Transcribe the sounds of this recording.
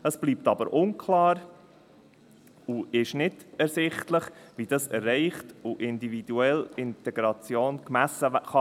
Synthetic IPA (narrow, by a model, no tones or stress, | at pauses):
əsb̥liːp̚t̪ɑbəɾʔʊnkʰlɑːɾ | uɪʃnɪdɛɾsɪχtləχʋid̥ɑsɛ̰rːɛɪχtuʔɪnd̪ivid̥uɛlɪntɛɡɾɑt͡sjoːnkmæsəχɑ